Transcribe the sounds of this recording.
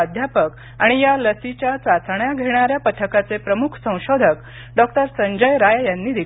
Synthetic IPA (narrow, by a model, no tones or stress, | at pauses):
d̪ʱjapək | aɽ̃ijaləsit͡ɕjat͡sat̪ʰɳjaɡʱeɽ̃aɾjapət̪ʰəkat͡sepɾəmukʰsə̃w̃ɕod̪ʱək | ɖɔk̚ʈəɾsəɲd͡ʑəjɾajjanːiːd̪e